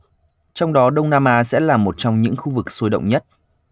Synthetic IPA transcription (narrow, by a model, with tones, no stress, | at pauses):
t͡ɕɔ˧wŋ͡mɗɔ˨˦ɗə˧wŋ͡mnaː˧maː˧sɛ̰˧˥laː˨˩mo˨˩t̚t͡ɕɔ˧wŋ͡mɲɨ̰˧˥ŋxu˧vɨ˨˩k̚so˧˦jɗə̰˧˨wŋ͡mɲə˦˥t̚